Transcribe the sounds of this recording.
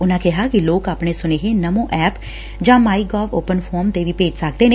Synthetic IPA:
ʊnãːkɪɦaːkɪloːkaːpneːsʊneːɦeːnəmõːʔɛːp | d͡ʒãːmaːiːɡɔːfoːpənpʰɔːɾmt̪eːʋiːpeːd͡ʒsəkd̪eːne

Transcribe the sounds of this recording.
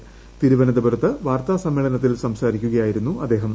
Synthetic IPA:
t̪iɾubɐnɐd̪ɐbɐɾɐt̪ːɐʋaːrt̪aːsɐmːiːɭɐnɐt̪̬ːilsɐmsaːɾikʲːuɣɐjaːjiɾunːuʔɐd̪ːe̞ːɦɐm

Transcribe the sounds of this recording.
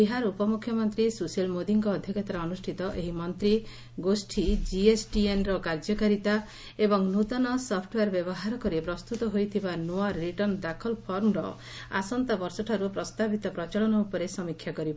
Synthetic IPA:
biɦaɾupɔmukʰːjɔmɔnt̪ɾisuselmod̪iŋkɔːd̪ʱjɔkɔt̪aɾaːnusʈʰit̪ɔʔeɦimɔnt̪ɾi | ɡosʈʰid͡ʒiesʈienɾɔkaɾd͡ʒɔkaɾit̪a | ebɔŋnut̪ɔnɔsɔpʰʈweɾbjɔbɔɦaɾɔkɔɾipɾɔst̪ut̪ɔɦojt̪ʰibanoaːiʈɔɾnd̪akʰɔlpʰɔɾmɾɔ̰ | a̰sɔnt̪abɔɾsɔʈʰaɾupɾɔst̪abit̪ɔpɾɔt͡ʃaɭɔnɔupɔɾesɔmikʰjakɔɾibɔ

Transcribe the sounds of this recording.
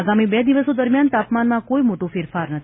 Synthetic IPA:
aɡamibed̪iʋəsod̪əɾmjant̪apmanmãkoimoʈũfɪɾfaɾnət̪ʰ

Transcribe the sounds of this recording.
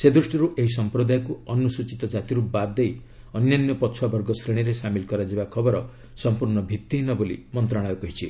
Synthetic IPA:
sed̪ɾusʈiɾuʔeɦis̬ɔmpɾɔd̪ajɔkuɔnusut͡ʃit̪ɔd͡ʒat̪iɾubad̪d̪ej | ɔnjanjɔpɔt͡ʃʰuwabɔɾɡɔsɾeɽ̃iɾesamilkɔɾad͡ʒibakʰɔbɔɾɔ | sɔmpuɾɳ̃ɔbʱit̪ːiɦinɔbolḭmɔnt̪ɾaɽ̃ɔjɔkɔɦit͡ʃʰi

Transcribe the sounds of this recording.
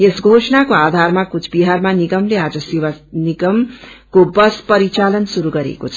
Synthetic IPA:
esɡʱosʌnakoad̪ʱarmakut͡sʰbiɦarmaniɡʌmlead͡zʌsiwaniɡʌmkobʌspʌɾit͡salʌnsuɾuɡʌɾḛkot͡sʰʌ

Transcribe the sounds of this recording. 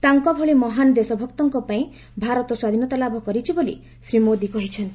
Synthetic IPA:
t̪aŋkɔbʱɔɭimɔɦanɔd̪esɔbʱɔkt̪ɔŋkɔpaĩ | bʱaɾɔt̪ɔswad̪ʱinɔt̪alabʱɔkɔɾit͡ʃʰibolḭ | sɾimod̪ikɔɦit͡ʃʰɔnt̪

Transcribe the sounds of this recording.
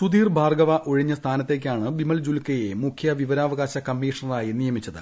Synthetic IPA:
sud̪iːrbʱaːrɡɐʋɐʔoɻiɲːɐst̪ʰaːnɐt̪ːe̞ːk̬ʲːaːɳɨbimɐld͡ʑulkɐjemukkʰjɐʋiʋɐɾaːʋɐɣaːɕɐkɐmːiːʂɐnɐraːjinijɐmit͡ɕːɐðɨ̰

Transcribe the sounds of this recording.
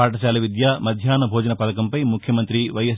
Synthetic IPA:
aːʈɐʃaːlɐʋid̪jaːmɐd̪ʱjaːnɐbʱoːd͡ʒɐnɐpɐt̪ɐkɐmpɐjmukʰjɐmɐnt̪ɾiʋɐjɐs

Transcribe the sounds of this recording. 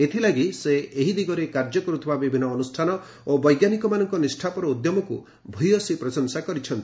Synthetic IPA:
et̪ʰilaɡiseeɦid̪iɡɔɾekaɾd͡ʒɔkɔɾut̪ʰibabibʱinɔːnusʈʰanɔ | obɔjɡjanikɔmanɔŋkɔnisʈʰapɔɾɔud̪jɔmɔkṵ | bʱujɔsipɾɔsɔnsakɔɾit͡ʃʰɔnt̪i̥

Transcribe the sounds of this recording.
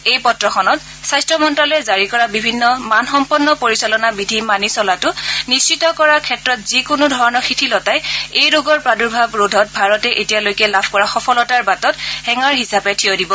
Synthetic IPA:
ejpɔtɹɔxʰɔnɔt | sajstɹɔmɔntɹalɛzaɹikɔɹabibʱinːɔmanxɔmpɔnːɔpoɹisalɔnabidʱimanisɔlatʊnist͡ʃitɔkɔɹakʰɛtɹɔtzikʊnʊdʱɔɹɔnɔxitʰilɔtajejɹoɡɔɹpɹaduɹbʱabɹodʱɔt̚bʱaɹɔtɛʔetijalojkɛlabʰʱkɔɹaxɔpʰɔlɔtaɹbatɔthɛŋaɹɦisapɛtʰiodibɔ

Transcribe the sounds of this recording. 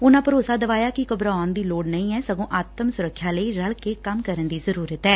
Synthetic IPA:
ʊnãːpəɾoːsaːd̪əʋaːjaːkɪkəbɾaːnd̪iːloːɽnəĩːɛːsəɡõːʔaːt̪əmsʊɾəkʰːjaːləiːɾəɭkeːkəmkəɾənd̪iːzəɾuːɾət̪ɛː

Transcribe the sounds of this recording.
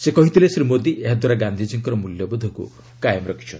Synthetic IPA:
sekɔɦit̪ʰilesɾimod̪iʔeɦad̪waɾaɡand̪ʱid͡ʒiŋkɔɾɔmuljɔbɔd̪ʱɔkṵ | kajmɔɾɔkʰi̥t͡ʃʰɔ

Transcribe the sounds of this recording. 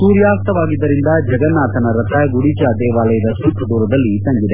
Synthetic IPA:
suːɾjaːst̪ɐʋaːɡid̪ːɐɾind̪ɐd͡ʒɐɡɐnːaːt̪ɐnɐɾɐt̪ʰɐɡuɽit͡ʃad̪ɛːʋaːlɐjɐd̪ɐsuːkʰɐd̪uːɾɐd̪ɐlːit̪ɐŋɡid̪e

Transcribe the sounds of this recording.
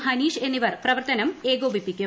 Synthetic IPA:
ɦɐniːʂeniʋɐrprɐʋɐrt̪ɐnɐmeːɡoːbʱipːikʲːu

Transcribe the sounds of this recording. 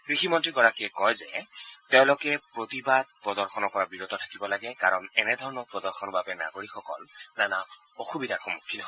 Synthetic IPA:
kɹiximɔntɹiɡɔɹakiɛkɔjzɛtɛʊ̃lokɛpɹot̪ibad̪̚pɹɔdɔɹxʰɔnɔɹpɔɹabiɹɔt̪ɔtʰḁkibɔlaɡɛkaɹɔnɛnɛd̪ʱɔɹɔnɔpɹɔdɔɹxʰɔnbabɛna̰ɡoɹikʰxɔkɔ̰lnana | oxubidʱaɹxɔmukʰːinɔɦ

